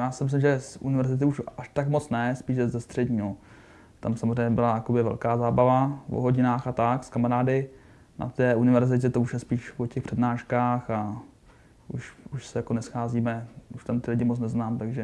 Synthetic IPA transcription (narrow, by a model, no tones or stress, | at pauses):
jaːsɪmɪs̬lɪmʒɛsʔṵnɪvɛɾzɪt̪ɪuʃaʃt̪akmot͡snɛspiːʃzɛst̪r̝̥ɛɟɲiːno | t̪amsamozrɛjɲɛbɪlajakobɪvɛ̰lkaːzaːbavavo̰ɦoɟɪnaːxat̪akskamaɾaːdɪ | nʔa̰t̪ɛːʔunɪvɛɾzɪc̬ɛt̪ouʃjɛspiːʃvocɛxpr̥ɛdnaːʃkaːxa | uʃuʃsɛjakonɛsxaːziːmɛuʃt̪amt̪ɪlɪɟɪmot͡snɛznaːmt̪aɡʒɛ